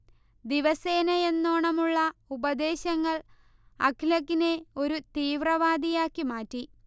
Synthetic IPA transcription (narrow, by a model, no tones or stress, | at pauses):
d̪iʋɐseːnɐe̞nːoːɳɐmuɭːɐubɐd̪e̞ːɕɐŋːɐɭ | ɐ̰kʰlɐkːine̞o̞ɾut̪iːʋrɐʋaːd̪ijaːkːimaːtːi